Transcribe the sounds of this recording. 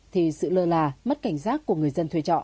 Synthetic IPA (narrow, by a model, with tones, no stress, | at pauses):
t̪ʰi˨˩sɨ̰˧˨ləː˧laː˨˩mə˦˥t̚ka˧˩jŋ̟saː˦˥k̚ku˧˩əŋɨ˨˩əjzə˧nt̪ʰwi˧t͡ɕɔ̰˧˨n